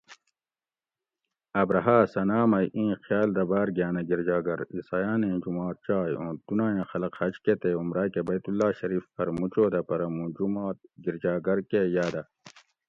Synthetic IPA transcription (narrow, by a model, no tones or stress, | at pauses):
ɐbɾɐɦaːsɐnaːmɐjʔĩːxjaːld̪ɐbaːɾɡjaːnɐɡiɾd͡ʑaːɡɐɾisaːjaːnẽːd͡ʒumaːt̪̚t͡ʃaːjõːd̪̥unaːjãxɐlɐqhɐt͡ʃket̪eumɾaːkebɐjt̪ulːaːɕɐɾiːfpɐɾmut͡ʃoːd̪ɐpɐɾɐmũd͡ʒumaːt̪̚ɡiɾd͡ʑaːɡɐɾkejaːd̪ɐ